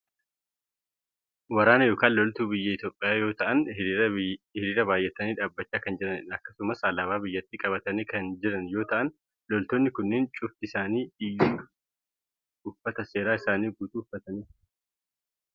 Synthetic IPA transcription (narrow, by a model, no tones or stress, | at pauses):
wɐɾaːnɐjo̞ːkaːnlɔlt̪uːbɪjːɐɪt̪jo̞ːpʼːɪjaːjo̞ːt̪ɐʔɐn | hɪɾiːɾɐbaːjːɛt̪ːɐniːᶑaːbːɐt͡ʃːaːkɐnd͡ʒɪɾɐnɪɐkːɐsʊmɐsɐlɐβaːbɪjːɐt̪ːiːkʼɐβɐt̪ɐnekɐnd͡ʒɪɾɐnjo̞ːt̪ɐʔɐn | lɔlt̪onːɪkʊnːɪnt͡ʃʼʊft̪ɪɪsaːniː | ʊfːɐt̪ɐse̞ːɾaːɪsaːniːɡuːt̪uːfːɐt̪ɐnɪ